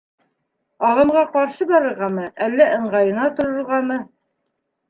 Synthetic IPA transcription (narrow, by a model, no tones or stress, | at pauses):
ɑðɤ̆mʁɑqɑɾʃɤbɑɾɤ̆ɾʁɑmɤʔælːæʔɤ̆ɴʁɑjɤ̆nɑt̪ŏɾɤ̆ɾʁɑmɤ